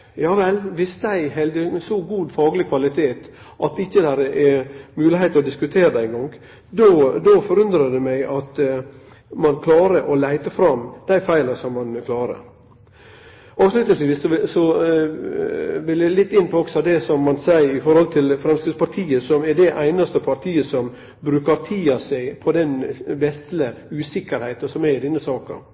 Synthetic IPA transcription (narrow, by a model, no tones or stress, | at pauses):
jɑːʋɛlʋɪsd̪æɪhɛld̪əsɔɡuːd̪fɑːɡlɪkʰʋɑlɪt̪ʰeːt̪ | ʔɑt̪ɪçːəd̪æɾəʔɛmʉːlɪheɪt̪əɾɔd̪ɪskʉt̪ʰeːɾəd̪æɪŋɡɔŋ | d̪ɔd̪ɔfɔɾʉnd̪ɾəd̪ɛmæɪʔɑt̪ | mɑnkʰlɑːɾəʔɔlæɪt̪əfɾɑmd̪̥æɪfæɪlɑsɔmːɑnkʰlɑːɾə̰ | ɑːʋslʉt̪nəsʋiːssɔɪsɔ | ʋɪljælɪt̪ːɪnːpʰɔɔksɔd̪ɛsɔmːɑnsæɪɾɪfɔɾhɔlt̪ʰɪlfɾɛmskɾɪd̪spʰɑɾʈ̪ʰiːəsɔmɛɖɛʔæɪnɑst̪əpʰɑɾt̪ʰiːəsɔm | bɾʉːkɑɾt̪ʰiːɑsæɪpʰɔd̪ɛnbɛst̪ləʉːsɪkːəɾhæɪt̪ɑnsɔmɛɪd̪ɪnːəsɑːkɑ̰